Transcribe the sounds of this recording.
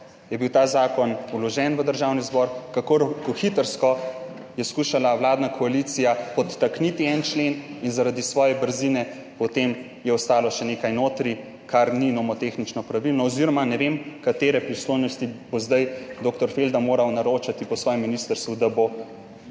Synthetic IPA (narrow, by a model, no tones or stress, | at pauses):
jɛbiwt̪aːzaːkɔnulɔʒɛnʋəd̪əɾʒawnizbɔɾkakoɾkɔxit̪əɾskɔ | jɛskuːʃalawlaːd̪nakʰɔalit̪sijapɔt̪ːaknit̪iɛnt͡ʃleninzaɾad̪isʋɔːjɛbəɾzinɛ | pɔt̪em | jɛɔst̪aːlɔʃɛnekajnoːt̪ɾi | kʰaɾninɔmɔt̪exnit͡ʃnɔpɾaʋilnɔɔziɾɔmanɛʋemkat̪eːɾɛpɾislojnɔst̪ibozd̪ajd̪okt̪ɔɾfeld̪amoːɾawnaɾoːt͡ʃat̪ipɔsʋɔːjɛmːinist̪əɾst̪ʋud̪abo